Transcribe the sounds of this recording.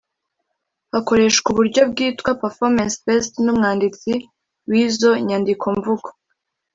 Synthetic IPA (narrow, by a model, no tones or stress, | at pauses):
hako̞ɾe̞ʃkuβuɾɟo̞b̚ɡiːtkwapaɾfoɾmansfestnumŋaːndit͡si | wiːzo̞ɲandikʰo̞ɱvuɡo̥